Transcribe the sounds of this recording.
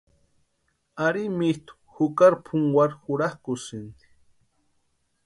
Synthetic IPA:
aɾimit̪u̥xukaɾpʰuŋɡwaɾxuɾahkusind̪i̥

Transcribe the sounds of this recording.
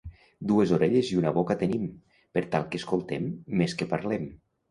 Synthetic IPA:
d̪uezoɾeʎeziunaβokat̪enim | peɾt̪alˠkeskolˠt̪emːeskepaɾlem

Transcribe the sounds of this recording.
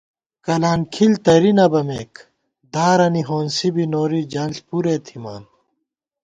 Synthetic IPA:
kɐlaːnkʰilt̪ɐɾinɐbɐmeːk | d̪aːɾɐniɦoːnsibinoːɾid͡ʑaːnɬpuɾeːt̪ʰima̰ːn

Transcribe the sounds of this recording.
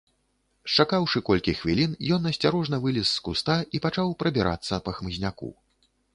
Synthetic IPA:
t͡ʂakawʂɨkɔlʲkʲixvʲilʲinjɔnɐsʲt͡sʲaɾɔʐnɐvɨlʲisːkust̪aʔipat͡ʂawpɾɐbʲiɾʔa̰t̪sːɐpɐxmɨzʲnʲakṵ

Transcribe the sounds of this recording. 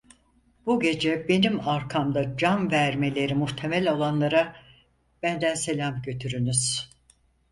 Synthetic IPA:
buɟe̞d͡ʒɛbe̞nimaɾkʰamd̪ad͡ʒanvæɾme̞lʲe̞ɾimuht̪ʰe̞mɛlʲo̞lˠanlˠaɾa | b̥ænd̪ænse̞lʲamɟø̞t̪ʰyɾynyz̥

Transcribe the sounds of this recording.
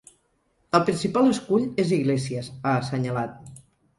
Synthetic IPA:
əlˠpɾinsipalˠəskuʎeziɣlesiəzaːsəɲəlat̪̚

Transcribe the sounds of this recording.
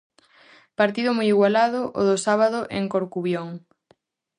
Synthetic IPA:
paɾt̪iðʊmojiɣwalaðʊʔoðʊsaβaðʊʔeŋkoɾkuβjoŋ

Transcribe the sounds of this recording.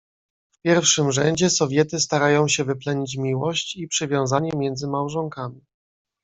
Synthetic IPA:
fpʲjɛɾfʂɘmʐɛɲd͡ʑɛsɔvʲjɛt̪ɘst̪aɾajɔ̃w̃ɕɛvɘplɛɲit͡ɕmʲiwɔɕt͡ɕipʂɘvʲjɔ̃w̃zaɲɛmʲjɛnd̪zɘmawʐɔŋkamʲi

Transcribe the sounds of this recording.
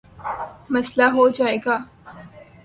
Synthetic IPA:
mɐslaɦod͡ʒaːeːɡaː

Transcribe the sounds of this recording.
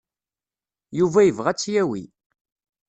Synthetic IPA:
juvæjəvʁæt͡sːjæwḭ

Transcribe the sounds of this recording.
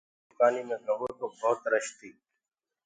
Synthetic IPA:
kaːniːmẽːɡʱəɡoːt̪oːbʱɔːt̪ɾəʃt̪iː

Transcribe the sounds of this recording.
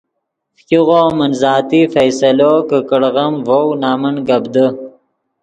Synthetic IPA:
fkʲiɣoːmɐnzɑːt̪ifɐjsɐloːkəkəɽɣɐmvownaːmənɡɐbd̪ə

